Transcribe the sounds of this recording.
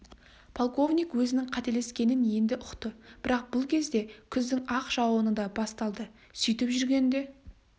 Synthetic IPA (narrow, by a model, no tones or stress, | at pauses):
pʰolˠko̞vnʲijkwɵzɪnɪŋqʰɑt̪e̞le̞skʲe̞nɪnje̞nd̪ɪʔʊqt̪əb̥ɪɾɑq̚bʊlˠkʲʰe̞zd̪e̞kʲʰʏzd̪ɪŋɑqʒ̥ɑwənəd̪ɑbɑst̪ɑlˠd̪ə | sʏjt̪ɪpʒʏɾɡʲe̞nd̪e̞